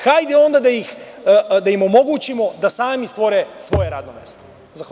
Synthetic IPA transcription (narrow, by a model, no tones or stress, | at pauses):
kajd̪ɛond̪ad̪ajix | d̪aimomoɡuːt͡ʃimod̪asaːmist̪ʋoɾɛsʋojeɾa̰ːd̪nomeːst̪o̥ | za